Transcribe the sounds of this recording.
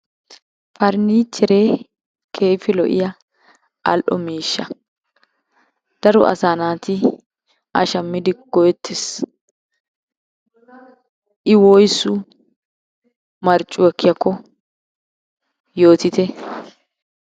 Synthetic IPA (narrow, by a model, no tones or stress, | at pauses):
fɐɾniːt͡ʃːɛɾeː | kʰe̞ːfɪlɔ̰ʔɪ̰jɐ | ʔɐlʔɔ̰miːʃːɐ̰ | d̪̥ɐɾɔ̰ʔɐ̰saːnaːt̪ɪ | ʔɐʃɐmːɪd̪ɪɡ̥ɔjɛt̪ʰːɛs | ʔɪwɔjsʊ | mɐɾt͡ʃʼːʊɔkːɪjɐkːɔ | jo̞ːt̪ɪt̪ɛ